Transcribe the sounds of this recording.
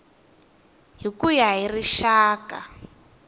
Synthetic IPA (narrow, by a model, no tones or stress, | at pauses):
ɦikujaɦiriʃaːka̰